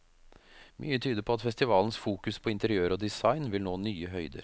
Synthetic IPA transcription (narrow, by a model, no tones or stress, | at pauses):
mʔy̰ːət̪ʰyːd̪əɾpʰɔɑt̪fɛst̪ɪʋɑːln̩sfuːkʉspʰɔɪnt̪əɾɪøːɾɔd̪ɪsɑɪnʋɪlnoːnyːəɦœʏd̪ə̰ɾ